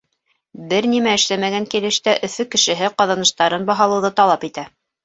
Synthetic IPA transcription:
bɘɾnimæɘ̆ʃlæmæɡæŋkilɘ̆ʃt̪æʔɵ̆θɵkɘ̆ʃɘ̆ɦɘqɑðɑnɤ̆ʃt̪ɑɾɤnbɑɦɑlˠɤ̆wðɤt̪ɑlˠɑpit̪æ

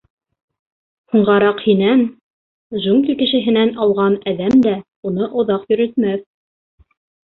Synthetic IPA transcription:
huɴʁɑɾɑqhinæn | ʒuŋɡʲikɘ̆ʃɘ̆ɦɘ̆nænɑlˠʁɑnæðæmd̪æ | unɤʔŏðɑqjɵ̆ɾɘ̆t̪mæθ

